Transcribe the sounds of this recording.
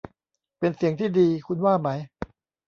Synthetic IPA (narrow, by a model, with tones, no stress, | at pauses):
pe˧nsi˨˩˦əŋt̪ʰiː˥˩diː˧kʰu˧nwaː˥˩ma˦˥j